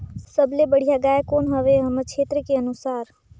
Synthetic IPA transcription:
səbʱlebəɽ̤ijaɡaːekoːnɦəʋeɦəməɾt͡ʃʰeːt̪ɾəkeənusaːɾ

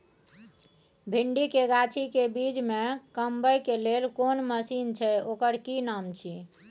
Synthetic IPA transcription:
bʱiɳɖikeɡat͡ʃʰikebid͡ʒmekəmbəjkelelkonməsint͡ʃʰɛokəɾkinamt͡ʃʰi

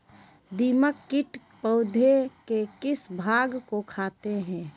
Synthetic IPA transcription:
d̪iːməkːɪʈ | pəʊd̪ʱekekɪsbʱaːɡkokʰaːt̪eɦɛ̃ː

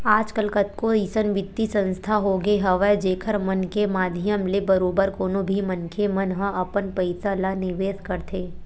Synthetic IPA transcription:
aːd͡ʒkəlkət̪koisənʋɪt̪ːisə̃nst̪ʰaɦoːɡeɦɐʋəd͡ʒeːkʰəɾmənkemaːd̪ʱɪjəmlebɐɾoːbəɾkoːnobʱimənkʰemənɦə̃ʔɐpənpəɪsalanɪʋeːskɐɾt̪ʰeː

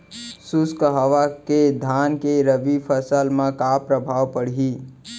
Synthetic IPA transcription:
suskəɦəʋaked̪ʱankeɾəbipʰəsəlmãkapɾəbʱawpəɽ̤ɦi

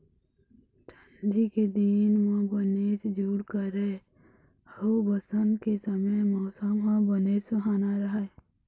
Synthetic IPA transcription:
ʈʰəɳɖiked̪inʋə̃bəneːt͡ʃd͡ʒuːɽkəɾeː | hobəsənkesəməjmɔːsəmɦãbəneːt͡ʃəɦaːnaɾəɦə

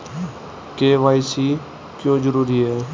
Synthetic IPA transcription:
keːʋaːisiː | kjõːd͡ʒəɾuːɾiːɦɛː

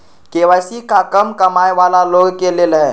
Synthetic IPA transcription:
keʋajsiːkakəmkəmajʋalaloɡkeleləj

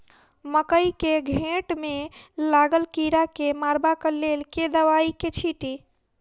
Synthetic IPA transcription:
məkəjkeɡʱẽʈmelaɡəlkiɾakemaɾbakəlelked̪əʋaiket͡ʃʰiʈi

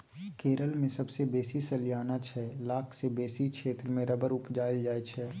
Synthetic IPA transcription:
keːɾəlmẽsɐbsebeːsisɐljaːnat͡ʃʰɛːlaːkʰsebeːsikʃʰeːt̪ɾəmẽɾɐbəɾʊpd͡ʒaːjld͡ʒaːet͡ʃʰɛː

